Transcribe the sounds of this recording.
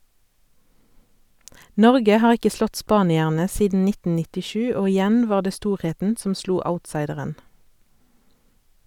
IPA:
ˈnɔʁɡə ˈhɑːʁ ˈɪkə ˈslɔt ˈspɑːnɪæʁnə ˈsiːdn̩ ˈnɪtn̩ nɪtɪˈʃʉː ˈoː ɪˈjæn ˈʋɑːʁ ˈdeː ˈstuːʁˌheːtn̩ ˈsɔm ˈsluː ˈaʊtˌsɑɪdəʁən

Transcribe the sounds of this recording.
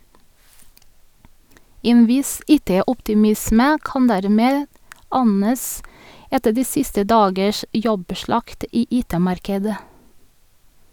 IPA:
ˈeːn ˈʋɪs ˈiːˌteːʊptɪˌmɪsmə ˈkɑn ˈdæɾˌmeːd ˈɑnəs ˈɛtə ˈdiː ˈsɪstə ˈdɑːɡəʃ ˈjɔbˌʃɭɑkt ˈiː ˈʔiːˌteːˌmɑɾkədə

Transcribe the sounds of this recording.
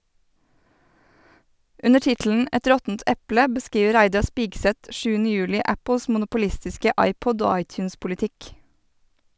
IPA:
ˈʉnə ˈʈɪtl̩n̩ ˈɛt ˈɾɔtn̩t ˈɛplə bəˈskiːʋə ˈɾæɪdɑ ˈspiːɡˌsɛt ˈʃʉːnə ˈjʉːlɪ ˈæpəs mʊnʊpʊˈlɪstɪskə ˈɑɪˌpɔd ˈoː ˈɑɪˌtjʉːnspʊlɪˌtɪk

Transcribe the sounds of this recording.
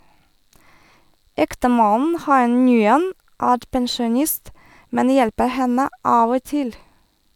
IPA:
ˈɛktəˌmɑnn̩ ˈhɑɪ ˈŋyːən ˈæːɾ pɛnʃʊˈnɪst ˈmɛn ˈjɛlpə ˈhɛnə ˈɑːʋ ˈoː ˈtɪl

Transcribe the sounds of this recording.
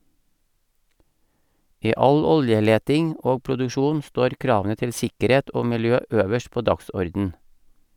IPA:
ˈiː ˈɑl ˈɔljəˌleːtɪŋ ˈoː pɾʊdʉˈʃuːn ˈstoːɾ ˈkɾɑːʋn̩ə ˈtɪl ˈsɪkəˌɾeːt ˈoː mɪlˈjøː ˈøːʋəʃ ˈpoː ˈdɑksɔɾdn̩

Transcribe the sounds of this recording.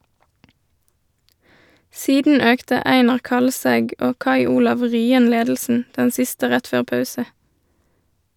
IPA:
ˈsiːdn̩ ˈøːktə ˈæɪnɑʁ ˈkɑlˌsɛɡ ˈoː ˈkɑɪ ˈuːlɑʋ ˈʁyːən ˈleːdl̩sn̩ ˈdɛn ˈsɪstə ˈʁɛt ˈføːʁ ˈpɑʉsə

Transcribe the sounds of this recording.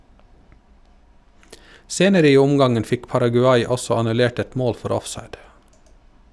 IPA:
ˈseːnəɾə ˈiː ˈʊmɡɑŋən ˈfɪk pɑɾɑɡʉˈɑɪ ˈɔsɔ ɑnʉˈleːʈ ˈɛt ˈmoːl ˈfɔɾ ˈɔfˌsɑɪd

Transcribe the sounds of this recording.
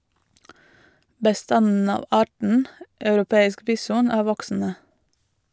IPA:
bəˈstɑnn̩ ˈɑːʋ ˈɑːʈɳ̩ ɑʉɾʊˈpeːɪsk ˈbiːsʊn ˈæː ˈʋɔksn̩ə

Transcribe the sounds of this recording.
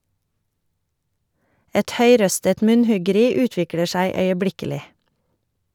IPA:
ˈɛt ˈhœʏˌɾœstət ˈmʉnˌhʉɡəˌɾiː ˈʉːtʋɪklə ˈʃæɪ œʏəˈblɪkəlɪ

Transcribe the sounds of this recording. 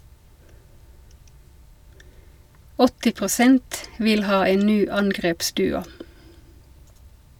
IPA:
ˈɔtɪ pʁʊˈsɛnt ˈʋɪl ˈhɑː ˈeːn ˈnyː ˈɑŋɡʁeːpˌsdʉːʊ

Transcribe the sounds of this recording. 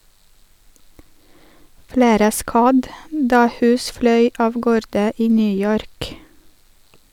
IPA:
ˈfɽeːɾə ˈskɑd ˈdɑː ˈhʉːs ˈflœʏ ˈɑːʋ ˈɡoːɾdə ˈiː ˈnyː ˈjɔɾk

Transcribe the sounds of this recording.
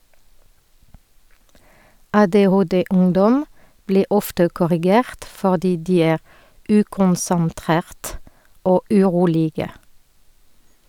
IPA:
ʔɑːdeːˈhoːdeːˌʊŋdɔm ˈbliː ˈʔɔftə kɔʁɪˈɡeːʁt fɔʁˈdiː ˈdiː ˈæːʁ ˈʉːkʊnsənˌtʁeːʁt ˈoː ʔʉˈʁuːlɪɡə

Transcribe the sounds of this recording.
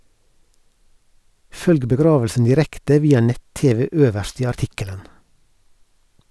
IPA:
ˈfœlɡ bəˈɡɾɑːʋl̩sn̩ dɪˈɾɛktə ˈʋiːɑ ˈnɛt ˈteːʋɛ ˈøːʋəʃt ˈiː ɑɾˈtɪkələn

